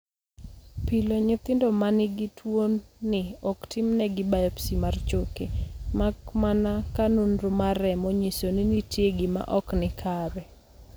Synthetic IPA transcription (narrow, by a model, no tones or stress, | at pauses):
piloɲʊt̪ɪndɔmanɪɡɪtʰwonːɪɔktʰɪmnɛɡɪbajɔpsimart͡ʃokemakmanakanunɾomarɛmoɲisonɪnitjeɡɪma̰ʔɔknɪkʰaɾɛ